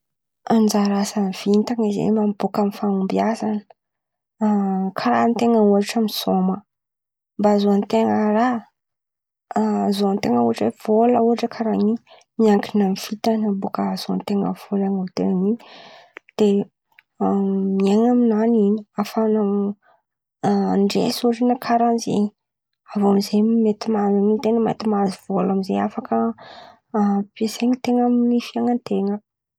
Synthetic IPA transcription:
and͡ʒaɾasanv̥int̪aŋizḛmambukamifaumbiasanə̥ | kʰaɾant̪eŋəuaʈ͡ʂamisomə | mbazoant̪eŋəɾa | zoant̪eŋəuaʈ͡ʂwev̥oləuɦaʈ͡ʂəkʰaɾaɲi | miaŋkinamifit̪anambukəz̥oa̰nt̪eŋə̰v̥olaŋawt̪ḛŋiɲ | d̪̥e | mieŋaminaniniafana | ɳɖ͡ʐḛsuʈ͡ʂinakʰaɾanzḛɲi | avoamizejmimet̪imazaŋint̪eŋəmḛt̪imaziv̥olamizeafakə | peseŋit̪eŋamnifiaŋənt̪eŋə

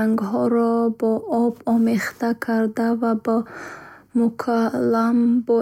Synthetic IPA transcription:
aŋɡɦɔɾɔbɔʔɔbɔmeχt̪akʰaɾd̪avabɔ | mukʰalːambɔ

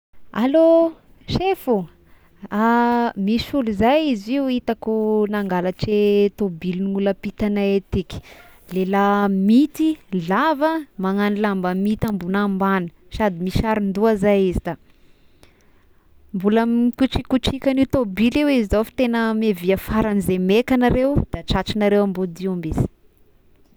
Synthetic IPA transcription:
alo | ʃefu | amisuluzajiziuit̪akunaŋɡalaʈ͡ʂet̪obilniŋuləpit̪anaet̪ikʲi̥lelamit̪ilavəmaŋanilambamit̪ambunambanə̥ | sad̪imiʃaɾind̪uazajizid̪a | mbulamkut͡ʃikuʈ͡ʂikʲanit̪obiliwizizofi̥t̪enəmeviəfaɾanizemekanaɾewd̪̥aʈ͡ʂat͡ʃinaɾewambod̪iambisi̥

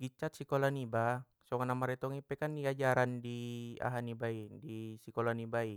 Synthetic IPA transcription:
ɡit͡ʃat̪̚sikolaniba | sɔŋanamaɾɛt̪ɔŋipɛkandiad͡ʒaɾandia̰ɦanibaidisikolanibai

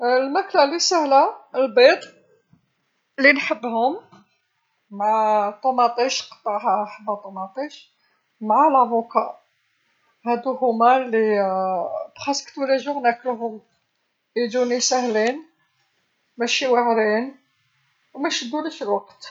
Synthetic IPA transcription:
lmæklælisæhlæəlbet̪ˤ | linħəbːhʊm | mʕat̪ˤːomɑt̪ˤiʃqɑ̥t̪ˤːɑʕhaħəbːæt̪ˤːomɑt̪ˤiʃ | mʕalʔævokaʔ | hæd̪uhʊmæli | bxɑsə̥kt̪wlæʒʊwnækəlɦʊm | id͡ʒ̪unisæhlin | mæʃiwaʕɾin | wmæʃəd̪ːuliʃəlwaqt̪

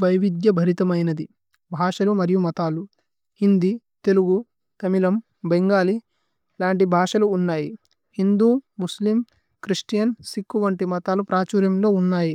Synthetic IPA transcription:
bɐjʋid̪jɐbʱɐɾit̪ɐmɐjnɐd̪i | bʱaːʂɐlumɐɾijumɐt̪aːlu | hind̪i | t̪e̞luɡu | t̪ɐmilɐm | beŋɡaːli | laːɳʈ̬ibʱaːʂɐluːnːaːji | hind̪uːmuslim | kɾiʂʈijɐnsikːuʋɐɳʈimɐt̪aːlupɾaːt͡ʃuːɾjɐmlo̞ːunːaːji

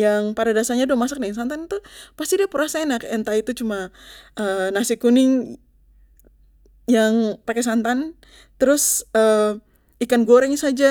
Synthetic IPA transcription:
jaŋpadadasaɲaduəmasak̚dəŋŋs̬ant̪anit̪upast̪idiapəɾasainakɛnt̪ait̪ut͡ʃumaənasikunɪŋ | jaŋpakɛsant̪an | t̪əɾʊsə | ikanɡoɾɛŋsad͡ʒa

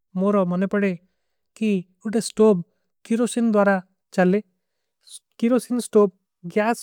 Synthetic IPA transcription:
moɾɔmənepəɽe | ki | uʈesʈob̚ | kiɾosind̪waɾa | t͡ʃale | kiɾosinsʈob̚ | ɡjas

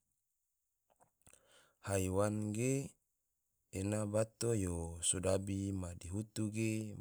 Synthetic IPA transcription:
haiwanɡe | nabat̪ojosodabimadiɦut̪uɡe

